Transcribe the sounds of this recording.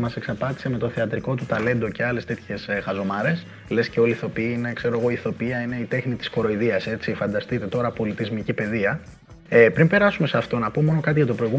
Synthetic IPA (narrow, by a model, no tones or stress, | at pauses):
mɐse̞ksɐpɐt̪i̥se̞me̞t̪o̞θeɐt̪ɾiko̞t̪ut̪ɐle̞nd̪o̞ce̞ɐle̞st̪e̞t̪çe̞sxɐzo̞mɐɾe̞s | le̞sceo̞liθo̞piinekse̞ɾo̞eɣo̞iθo̞piɐine̞it̪e̞xnit̪i̥sko̞ɾoiðiɐse̞t͡sifɐnd̪ɐst̪it̪e̞t̪o̞ɾɐpo̞lit̪izmicipe̞ðiɐ | epɾimpe̞ɾɐsume̞seɐft̪o̞nɐpomo̞no̞kɐt̪̬iʝɐt̪o̞pɾo̞iɣum